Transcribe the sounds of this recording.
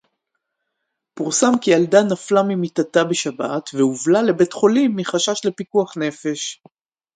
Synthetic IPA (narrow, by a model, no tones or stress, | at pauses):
puʁsamkialdanaflamimitatabeʃabatveuvlale̞be̞tχo̞limːiχaʃaʃle̞pikuaχne̞fe̞ʃ